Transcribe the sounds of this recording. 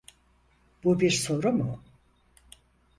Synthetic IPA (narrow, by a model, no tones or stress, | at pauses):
b̥ubiɾso̞ɾumʊ